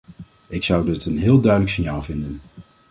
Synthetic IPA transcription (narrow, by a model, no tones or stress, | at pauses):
ɪksʌwdɪtənɦɪːlˠdœɥdələksɪnjaːlˠvɪndən